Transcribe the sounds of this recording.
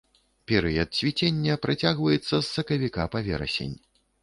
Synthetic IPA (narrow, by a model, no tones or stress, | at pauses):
pʲɛɾɨjɐt̪̚sʲvʲit͡sʲenʲːɐpɾat͡sʲaɣvɐjɛt̪sːɐsːɐkɐvʲikapavʲɛ̰ɾɐ̰sʲḛnʲ